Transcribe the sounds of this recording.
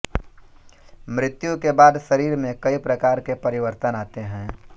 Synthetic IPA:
mɾɪt̪jũkebaːd̪ʃɐɾiːɾmẽkɐipɾɐkaːɾkepɐɾɪwəɾt̪ənaːt̪eɦɛ̃ː

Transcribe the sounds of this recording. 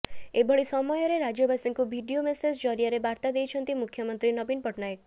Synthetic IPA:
ebʱɔɭisɔmɔjɔɾeɾad͡ʒɔbasiŋkubʱiɖiomesed͡ʒd͡ʒɔɾiaɾebaɾt̪ad̪ejt͡ʃʰɔnt̪imukʰjɔmɔnt̪ɾinɔbinpɔʈnajek̚

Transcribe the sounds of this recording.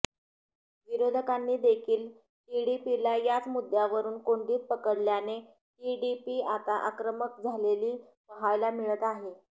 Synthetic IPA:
ʋiɾod̪ʱəkanːiːd̪ekʰiːl | ʈiɽipilajat͡smud̪jaʋəɾuːnkoɳɖiːt̪̚pəkəɽljane | ʈiɽipiːat̪aʔa̰kɾəmək̚d͡zʱaleliː | pəɦajlamiɭət̪aɦe

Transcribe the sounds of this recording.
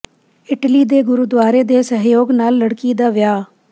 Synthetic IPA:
ɪʈliːd̪eːɡʊɾud̪ʋaːɾeːd̪eːsəɦjoːɡnaːlːəɽkiːd̪aːʋɪjaː

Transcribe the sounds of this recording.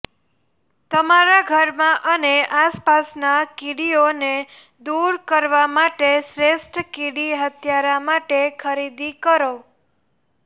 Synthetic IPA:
t̪əmaɾaɡʱəɾmãʔəneʔaspasnakiɽione | d̪uɾkəɾʋamaʈesɾesʈkiɽiɦət̪ʰjaɾamaʈekʰəɾid̪ikəɾo

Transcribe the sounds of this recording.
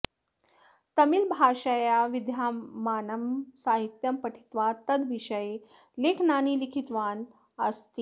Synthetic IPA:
t̪ɐmilbʱaːʃəjaʋid̪ʱjaːaːnɐmsaːɦit̪jɐmpəʈʰi̥t̪ʋat̪ɐd̪ʋiʃɐje | leːkʰnaːniːlikʰit̪ʋaːn | əst̪iː

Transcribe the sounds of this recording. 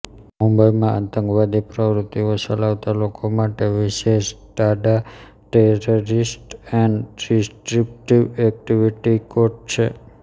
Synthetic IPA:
mũmbəjmãʔə̰nt̪ə̃ŋɡʋad̪ipɾəʋɾut̪ːiʋosəlaʋt̪alokomaʈeʋiʃeʃɖ̪aɖa | ʈeɾoɾisʈɛɳɖɾisʈɾip̚ʈiʋɛk̚ʈiʋiʈikoʈ̚t͡ʃʰḛ

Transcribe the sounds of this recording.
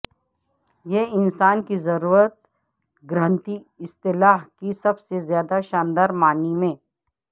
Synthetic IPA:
jeɪnsaːnkizɐɾuːɾət̪̚ | ɡɾə̃nt̪i | ɪst̪ɪlaːɦkisɐbsezjaːd̪aʃaːnd̪aːɾmaːnimẽː

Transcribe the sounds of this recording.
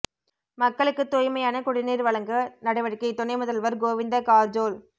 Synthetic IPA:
mɐkːɐɭɯkːɯt̪ːʊjmɐjaːnɐkʊɽɪniːɾʋɐɭɐŋɡɯnɐɽɐɪʋɐɽɪkːɯt̪ʊnɐɪmʊðɐlʋɐɾɡoːʋɪnd̪ɐkaːɾd͡ʒoːl

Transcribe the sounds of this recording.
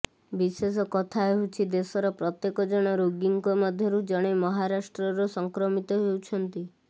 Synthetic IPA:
bises̬ɔkɔt̪ʰaeɦut͡ʃʰid̪esɔɾɔpɾɔt̪jekɔd͡ʒɔɽ̃ɔɾoɡiŋkɔmɔd̪ʱjɔɾud͡ʒɔɽ̃emɔɦaɾasʈɾɔɾɔsɔŋkɾɔmit̪ɔɦewt͡ʃʰɔnt̪i

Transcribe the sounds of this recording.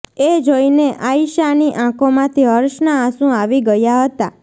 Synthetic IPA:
ed͡ʒoineʔaiʃaniʔãkomãt̪ʰiɦəɾʃnaːsũaʋiɡəjaɦət̪a

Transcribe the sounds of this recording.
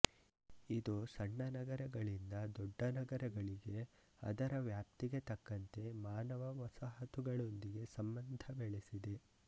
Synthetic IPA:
id̪usɐɳːɐnɐɡɐɾɐɡɐɭind̪ɐd̪ɔːɐnɐɡɐɾɐɡɐɭiɡe̞ | ɐ̰d̪ɐɾɐʋjaːp̚t̪iɡe̞t̪ɐkːɐnt̪e̞maːnɐʋɐʋɐsaɦɐt̪uɡɐɭo̞nd̪iɡe̞sɐmbɐnd̪ʱɐbeɭesid̪e̞

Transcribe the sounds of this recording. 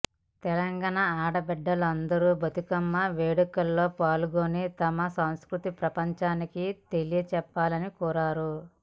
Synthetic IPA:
t̪ɛlɐŋɡaːɳɐaːɽɐbɛɖːɐlɐnd̪ɐɾuːbʱɐt̪ukɐmːɐʋeːɽukɐlːo̞ːpaːluɡoːnit̪ɐmɐsɐw̃skɾut̪ipɾɐpɐɲt͡ʃaːnikit̪e̞lijɐt͡ʃɛpːaːlɐnikuːɾaːɾu

